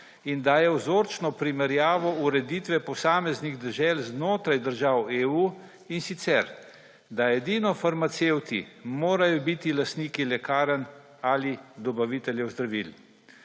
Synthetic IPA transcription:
ind̪aːjɛwzoːɾt͡ʃnɔpɾimɛɾjaːʋɔuɾɛd̪iːt̪ʋɛpɔsaːmɛzniɣd̪ɛʒɛlznoːt̪ɾajd̪əɾʒaːweuː | insit̪sɛɾ | d̪aɛd̪iːnɔfaɾmat̪sewt̪ḭmoːɾajɔbiːt̪ilast̪niːkilɛkaːɾən | alid̪ɔbaʋit̪ɛljɛwzd̪ɾaʋḭl

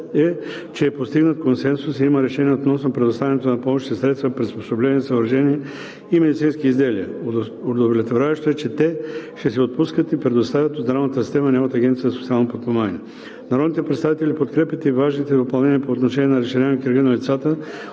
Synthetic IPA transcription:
ɛ | t͡ʃɛːpost̪iɡnət̪̚konsɛnsusiiməɾɛʃɛniɛot̪nɔsnopɾɛd̪ost̪avʲɛnɛt̪onɐpɔmoʃit̪ɛsɾɛt̪st̪vəpɾɛt̪spo̥soblɛnʲiɛsəvəɾʃɛniɛ | imɛd̪it̪sinskiːzd̪ɛliə̰ | od̪ovolʲɛt̪voɾʲavɛʃt̪oɛt͡ʃɛt̪ɛʃt̪ɛsɛot̪̚puskət̪ipɾɛd̪ost̪avʲjət̪od̪d̪ɾamnət̪əsi̥st̪ɛmənɛvət̪əɐɡʲɛnt̪sijəzɐsot̪sialˠnopot̪̚pomanḭɛ | naɾɔd̪nit̪ɛpɾɛt̪st̪avit̪ɛlipot̪kɾɛpjət̪ivaʒnit̪ɛd̪opɐlˠnɛniəpoːt̪noʃɛniɛnɐɾɛʃɛnʲɛmokiɾɡinɐlit̪sat̪ə

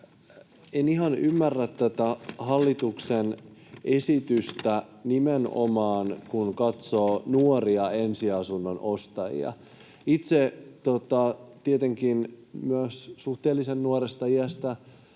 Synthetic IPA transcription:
enihɑnymːærːæt̪tːæt̪æhɑlːit̪uksenʔesit̪yst̪ænimeno̰mɑːnkunkɑt̪soːnuoriɑensiɑsunːonost̪ɑjḭɑ̰ | it̪set̪ot̪ɑt̪iet̪eŋkinmyøssuht̪eːlːisenːuorest̪ɑiæst̪æ

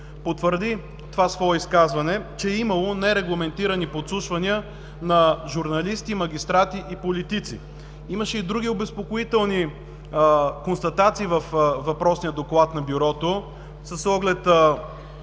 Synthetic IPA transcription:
pot̪vəɾd̪i | t̪ovasvɔɛiskazvɐnɛt͡ʃɛːimɐlˠonɛɾɛɡlˠɐmɛnt̪iɾɐnipot̪slˠuʃvɐniə | nɐʒuɾnɐlist̪imɐɡ̟ʲist̪ɾat̪iʔipolit̪it̪sḭ | imɐʃɛid̪ɾuɡ̟iobɛspokoit̪ɛlˠni | konst̪ɐt̪at̪siːvəfvɐpɾɔsnijəd̪oklˠat̪nɐbjuɾɔt̪o | sɐsːɔɡlɛt̪ə

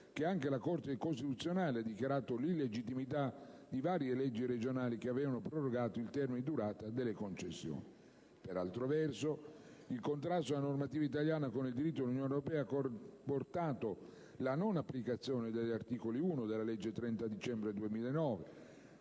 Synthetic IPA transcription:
k̟eaŋkelakort̪ekost̪it̪ut̪sːjonaːlead̪ik̟jaɾaːt̪olilːed͡ʒit̪ːimit̪ad̪ivaːɾjelɛd͡ʒːiɾed͡ʒonaːlik̟eavɛːvanopɾoroɡaːt̪oilt̪ɛrminid̪uɾaːt̪ad̪elːekont͡ʃesːjo̰ːni | peɾa̰lt̪ɾovɛrso | ilkont̪ɾast̪oalanormat̪iːvait̪aljaːnakonild̪iɾit̪ːod̪elunjoːnoɾopɛːaaport̪aːt̪o | lanonapːlikat̪sːjoːned̪eʎːart̪iːkoliuːnod̪elːalɛd͡ʒːet̪ɾɛnt̪ad̪it͡ʃɛmbɾed̪uemiːlaenːɔːve

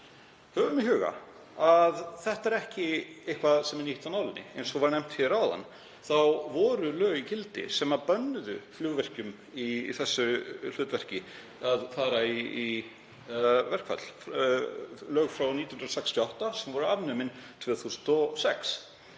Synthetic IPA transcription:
hœvʏmɪɦʏːɣa̰ | aðθɛht̪aɛɾɛhcɪejhkvaðsɛmɛniht̪awnawlɪnːɪ̰ḛjnsɔvaɾnɛjm̥t̪fɛɾawða̰nː | θawvɔːɾʏlœːɣicɪlt̪ɪ̰sɛmapœnːʏðʏ̰fljuwvɛr̥cʏm | iθɛsːʏl̥ʏːt̪vɛr̥cɪ | aðθaɾaii | vɛr̥kfa̰t̪lf | lœːɣfɾawnit̪jnnɾðsɛkst̪ʰjɔawht̪asɛmvɔɾʏavnʏːmɪnt̪ʰvɛːθusnt̪ɔsɛks

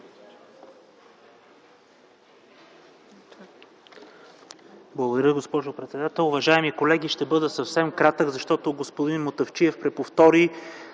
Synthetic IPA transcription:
blˠəɡod̪ɐɾjəɡospɔʒʊpɾɛt̪sɛd̪at̪ɛlˠʊvɐʒaɛmikolɛɡiʃt̪ɛbɤd̪əsɐfsɛmkɾat̪əɡzɐʃt̪ɔt̪oɡospod̪inmot̪ɐft͡ʃiɛfpɾɛpoft̪ɔɾi

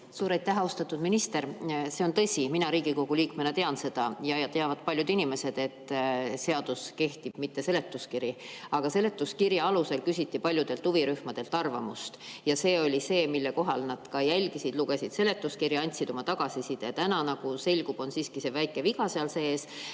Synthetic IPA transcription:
suːɾɑjt̪ˑːæɦɑost̪ɑt̪ːˑud̪̥minist̪e̞ɾse̞o̞nt̪ɤ̞sʲiminɑɾiːɡ̥iko̞ɡ̥uliːkmenet̪e̞ɑnse̞d̪̥ɑjɑjɑt̪eɑvɑd̪̚pɑlʲjud̪inime̞se̞d̪̥e̞t̪ːˑse̞ɑd̪̥uske̞ht̪ib̥mit̪ːe̞se̞le̞t̪ːˑuskiɾi | ɑɡ̥ɑse̞le̞t̪ːˑuskiɾjɑɑluse̞lkysʲit̪ːipɑlʲjud̪̥e̞lt̪ːuviɾyhmɑd̪̥e̞lt̪ːˑɑrvɑ̰must̪jɑse̞ːo̞lʲise̞ːmilːeko̞ɦɑlnɑd̪̥kɑjælʲɡisid̪̥luɡ̥e̞sid̪̥se̞le̞t̪ːˑuskiɾjiɑnʲt̪ʲsid̪o̞mɑt̪ɑɡ̥ɑsisid̪̥ɑt̪ænɑnɑɡ̥use̞lʲɡ̥ub̥o̞nsiːskise̞væjkːˑe̞viɡ̥ɑseɑlse̞ːs

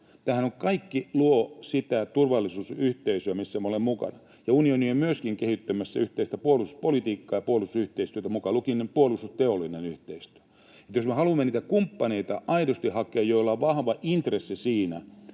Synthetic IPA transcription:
t̪æːhænokkɑikːiluosit̪æt̪urʋɑlːˑisuːsyht̪eisyæmisːæmæolemmukɑ̰nɑ | jɑunioniemyøskiŋkehit̪ːømæsːæyht̪eist̪æpuolusu̥spolit̪iːkːɑːjɑpuolust̪usyht̪eist̪yøt̪æmukɑlukinepuolustust̪eolːˑinenyht̪eist̪y̥ø̥ | et̪josmehɑlumːeniːt̪ækumpːɑneit̪ɑʔɑidost̪ihhɑkeːjjoilːɑʋɑhʋɑʔint̪resːisiːnæ̰

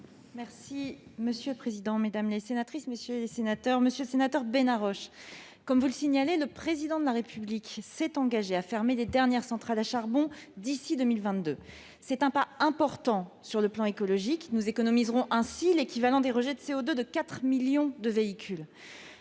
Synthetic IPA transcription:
mɛʁsiməsjøləpχezid̪ɑ̃med̪amlesenat̪χisməsjølesenat̪œʁməsjøləsenat̪œʁbenaʁɔʃ | kɔmvuləsiɲaleləpχezid̪ɑ̃d̪əlaʁepʰybliksɛt̪ɑ̃ɡaʒeafɛʁmeled̪ɛʁnjɛʁsɑ̃t̪χalaʃaʁbɔ̃d̪isid̪ømilvɛ̃t̪d̪ø | sɛt̪ɛ̃paɛ̃pɔʁt̪ɑ̃syʁləplɑ̃ekɔlɔʒiknuzekɔnɔmizʁɔ̃ʔɛ̃silekʲivalɑ̃d̪eʁəʒɛd̪əseod̪ød̪əkat̪χmiljɔ̃d̪əveikʲʰyl

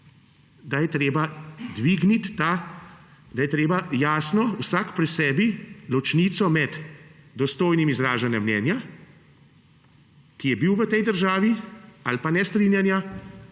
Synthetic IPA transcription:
d̪ajɛt̪ɾeːbad̪ʋiːɡnit̪ːa | d̪ajɛt̪ɾeːbajaːsnɔwsakpɾɛsɛːbilɔt͡ʃniːt̪sɔmɛd̪d̪ɔst̪oːjnimizɾaːʒanjamnɛːnja | kijɛbiwʋət̪ɛjd̪əɾʒaːʋialpanɛst̪ɾiːnjanja

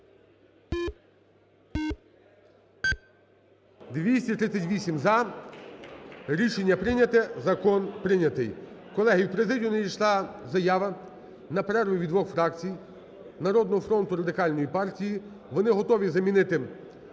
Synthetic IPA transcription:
d̪ʋʲisʲtʲit̪ɾɪtt͡sʲːɐtʲʋʲisʲimzɐ | ɾʲiʃenʲːɐpɾɪnʲɐt̪ɛzɐkɔnpɾɪnʲɐt̪ɪj | kɔlˠɛɦɪjwpɾezɪdʲijʊnɛjʲijʃlˠɑzɐjɑʋɐ | nɐpɾɛɾʋʊʋʲid̪ʋɔxfɾɑkt͡sʲij | nɐɾɔd̪nɔɦɔfɾɔnt̪ʊɾɐd̪ɪkɑlʲnɔjipɑrtʲiji | ʋɔnɪɦɔt̪ɔʋʲizɐmʲinɪt̪ɪ

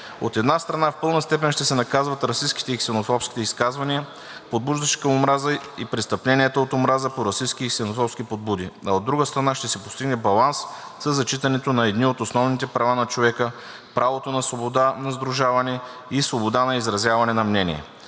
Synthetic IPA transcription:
o̰t̪ɛd̪nast̪ɾɐnafpɤlˠnəst̪ɛp̬ɛnʃt̪ɛsɛnɐkazvɐt̪ɾɐsiskit̪ɛiksɛnofɔpskʲi̥t̪ɛiskazvɐniə | pod̪̚buʒd̪əʃɛ̥kɐmomɾazəipɾɛst̪ɐplɛniət̪əot̪omɾazəpoɾɐsiskiksɛnofɔpskʲipod̪̚bud̪iɐod̪ːɾuɡəst̪ɾɐnaʃt̪ɛsɛpo̥st̪iɡnɛbɐlˠans | sɐzːɐt͡ʃit̪ɐnɛt̪onɐɛd̪niot̪osnɔvnit̪ɛpɾɐvanɐt͡ʃovɛkə | pɾʔavot̪onɐsvobod̪anɐzd̪ɾʊʒavɐnɛ | isvobod̪anɐizɾɐzjavɐnɛnɐmnɛnḭɛ̰

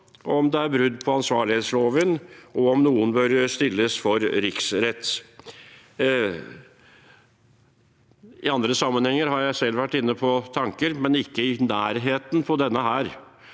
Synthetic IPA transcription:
ɔmd̪ɛæɾbɾʉd̪ːpʰɔɑnsʋɑːɭɪheːt̪sloːʋənʔɔɔmnuːənbøɾst̪ɪlːəsfɔɾɾɪksɾɛt̪ː | ɪɑnd̪ɾəsɑmːənhɛŋːəɾɦɑɾjæɪsɛlːʋæʈːɪnːəpʰɔt̪ʰɑŋkəɾmɛnɪkːəɪnæːɾɦeːt̪npʰɔd̪ɛnːəɦæːɾ

